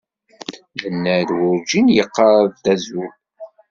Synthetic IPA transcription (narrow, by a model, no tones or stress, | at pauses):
lənːəðwʊɾd͡ʒinjəqːɑɾˤðdæzu